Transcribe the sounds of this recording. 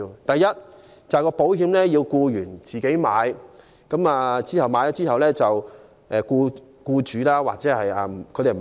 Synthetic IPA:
t̪ɐ˨jɐ˥t̚ | t͡sɐ˨jkɔː˧po˨˥wɦiː˨˧mlɛː˥jiː˧wkuː˧jyː˨˩nt͡siː˨ke˨˥jmaː˨˧j | kɐ˨˥maː˨˧t͡siː˥hɐ˨˩wmaː˨˧jdɔ˧˥t͡siː˥ɦɐ˨wlɛː˥t͡sɐ˨w | ʔɛː˨kuː˧ | kuː˧t͡ʃyː˨˧laː˥wa̰ː˨k̚t͡sɛː˨˥hɐ˨jaː˨m˨kʰt̪e˨˩m˨

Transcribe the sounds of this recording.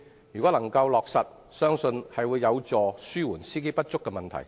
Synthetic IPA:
jy˨kɔː˨˥lɐ˨˩ŋkɐ˧wlɔː˨k̚sɐ˨t̚ | sœː˥ŋsɵ˧nhɐ˨jwuː˨˧jːɐ˨˧wt͡sɔː˨syː˥wuː˨˩nsiː˥ke˥jpɐ˥t̚t͡sʊ˥kːɛ˧mɐ˨nt̪ʰɐ̰˨˩j

